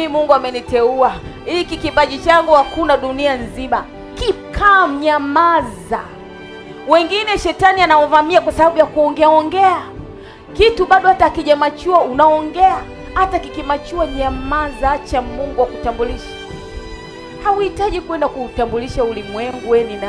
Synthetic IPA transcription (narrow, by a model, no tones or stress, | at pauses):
miimuŋɡuamɛnitɛua | ikikipaʄit͡ʃaŋɡuhakunaɗunianzima | kikʰam̩ɲamaza | wɛŋɡinɛʃɛtanianawavamiakwasaɓaɓujakuɔŋɡɛaɔŋɡɛa | kituɓaɗɔhataːkiʄamat͡ʃuaunaɔŋɡɛa | hatakikimat͡ʃuaɲamazat͡ʃamuŋɡuwakutambuliʃḁ | hauhitaʄikwɛndakuːtambuliʃaulimwɛŋɡuwɛnina